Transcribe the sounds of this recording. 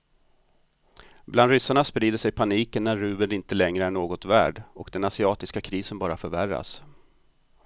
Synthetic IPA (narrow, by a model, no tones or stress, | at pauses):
bland̪ɾʏsːaɳaspɾiːd̪əʂɛjpʰaniːkənːæɾːʉ̟ːbəd̪ɪnt̪əlɛŋɾəæɳoːɡɔt̪væ̰ːɖɔkd̪ɛnasɪɑːt̪ɪskakʰɾiːsənbɑːɾafœɾværːa̰s